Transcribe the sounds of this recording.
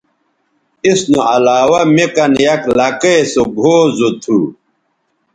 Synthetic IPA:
isnuɐlaːwamekɐnjɐklakesobʱoːzot̪ʰu

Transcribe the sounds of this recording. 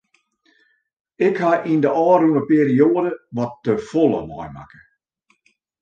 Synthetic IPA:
ɪkhaʔindəʔɔːrunəpeəɾioədəʋɔtdəfolˠə̰mɔ̰jma̰kə̥

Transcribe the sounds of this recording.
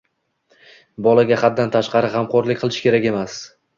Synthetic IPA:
bɒlaɡʲaχad̪ːant̪ʰaʃqɑɾɪχɑmqɒɾlɪkʲqʰɨlˠɪʃkʲʰe̞ɾakʲe̞mas

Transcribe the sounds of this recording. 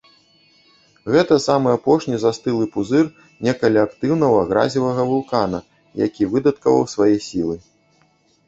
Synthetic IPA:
ɣɛt̪ɐsamɨapɔʂnʲizast̪ɨlˠɨpuzɨr | nʲɛkɐlʲiakt̪ɨwnɐvɐɣɾa̰zʲivɐɣɐvulˠkanɐ̰ | ja̰kʲivɨd̪ɐt̪kɐvɐ̰wsvajɛsʲilˠɨ

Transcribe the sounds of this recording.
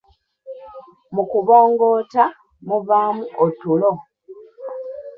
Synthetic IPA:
mukuβo̞ːŋɡo̞ːta | muβaːmuʔotulo

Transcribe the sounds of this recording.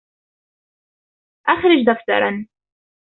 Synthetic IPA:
ʔaxɾɪd͡ʒd̪aft̪ɑ̰ɾˤɑ̰n

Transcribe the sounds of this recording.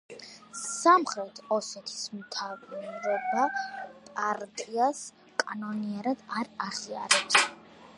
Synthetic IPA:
samχɾɛt̪ʰɔsɛt̪ʰi̥smt̪ʰaɾɔbapʼaɾt̪ʼias | kʼanɔniaɾad̪̥aɾaʁia̰ɾɛps

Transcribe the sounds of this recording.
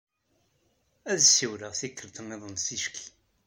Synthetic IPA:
æðsːiwɾəʁθikːəɾt̪əniðˤənsiʃki̥

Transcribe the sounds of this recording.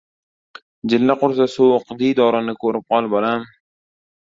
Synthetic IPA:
d͡ʒɪlːaqʊɾsasowqd̪id̪ɒɾanɪkʰɵɾɪp̚qʰɒlˠbolam

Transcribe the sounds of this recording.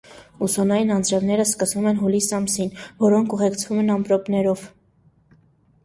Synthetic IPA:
usɔnɑjinɑnd͡zɾɛvnɛɾəskəsvumɛnɦulisɑmsinvɔɾɔŋkʰuʁɛkt͡sʰvumɛnɑmpɾɔpnɛɾɔv

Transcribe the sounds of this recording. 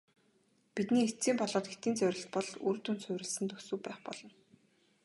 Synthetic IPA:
pit̪niːet͡siːmpɔɮɔːt̪̚ɡet̪iːnt͡sœwʲɾʲɪ̆ɬt̪̚pɔɮuɾt̪unsʰœwʲɾɪ̆ɮsɘ̆nt̪ɵksɵ̆ːpæːχpɔɮ̥ɞ̆n

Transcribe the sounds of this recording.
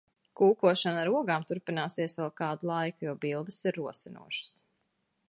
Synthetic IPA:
kuːkuɔʃanaɾuɔɡaːmt̪uɾpinaːsiɛsʋɛlˠkaːd̪ulˠajkujɔːbilˠd̪ɨsiɾːuɔsinṵɔʃḁs

